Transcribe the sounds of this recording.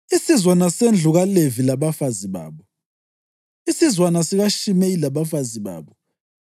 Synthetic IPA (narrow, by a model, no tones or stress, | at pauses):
isizwanasend͡ɮʱuɣalevilaβafaziβa̰ːβɔ | isizwanasiɣaʃimeilaβafaziβa̰ːβɔ